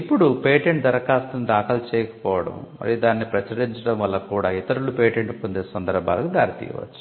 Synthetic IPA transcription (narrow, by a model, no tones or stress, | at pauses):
ipːuɽupeːʈeɳʈd̪ɐɾɐkaːst̪ɐnd̪aːkɐlt͡ʃɛːjɐkɐ̥pɔːʋɐɽɐ̰mmɐ̰ɾid̪aːnːipɾɐt͡ʃɐɾiɲt͡ʃɐɽɐmʋɐlːɐkuːɽaːit̪ɐɾulupeːʈeɳʈupond̪eːsɐnd̪ɐɾbʱa̰ːlɐkud̪aːɾit̪ḭːʋɐ̰t͡ʃːu̥